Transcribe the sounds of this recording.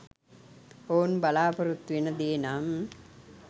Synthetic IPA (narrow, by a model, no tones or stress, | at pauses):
oːnbɐlaːpɐɾut̪ːʋinɐd̪eːnam